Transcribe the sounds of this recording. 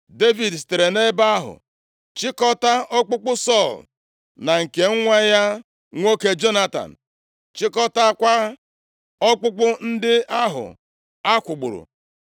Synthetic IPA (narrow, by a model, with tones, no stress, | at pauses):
de˦vi˨dste˨ɾe˨ne˦ba˦a˦ɦʊ̰˨ | t͡ʃɪ˦kɔ˦ta˦ɔ˦k͡pʊ˦k͡pʊ˦sɔ˦˨l | na˨ŋ̩˨ke˨ŋ̩˦ŋʷa˦ja˦ | ŋʷo˦ke˦d͡ʒo˦na˦ta̰˨n̩˨ | t͡ʃɪ˦kɔ˦ta˦kʷa˦ | ɔ˦k͡pʊ˦k͡pʊ˦n̩˦dɪ˦a˦ɦʊ̰˨ | a˦kʷʊ˨ɡ͡bʊ̰˨ɾʊ̰˨